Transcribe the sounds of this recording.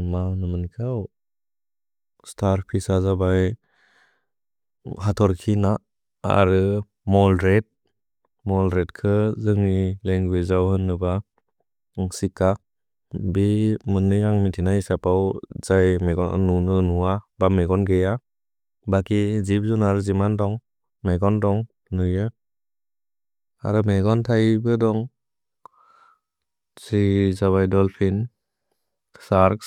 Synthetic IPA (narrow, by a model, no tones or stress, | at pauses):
manɯmɯnkʰaw | stʰaɾpʰisazabaj | hatʰɔɾkʰina | a̰ɾɯ | mɔlɾet̚ | mɔlɾetkʰɯzɯŋileŋɡwezawhɯnːɯba | sika | bimɯnːɯaŋmitʰinaisapawzajmeɡɔnunɯnuwabameɡɔnɡeja | bakizip̚zunaɾɯzimandɔŋ | meɡɔndɔŋ | nɯjɯ | a̰ɾɯmeɡɔntʰajbɯdɔŋ | zizaβajdɔlpʰin | saɾk